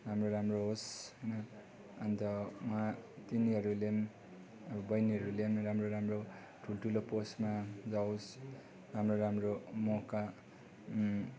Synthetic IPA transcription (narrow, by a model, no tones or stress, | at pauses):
ramroɾamroɦosɦʌjnʌ | ʌnt̪ʌwat̪iniɦʌɾulem | ʌbʌbʌjniɦʌɾulemɾamroɾamro | ʈʰulʈʰuloposmad͡zaws | ramroɾamromoka